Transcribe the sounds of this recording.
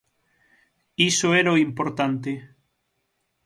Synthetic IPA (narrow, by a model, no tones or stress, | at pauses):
isoɛɾoimpoɾt̪ant̪e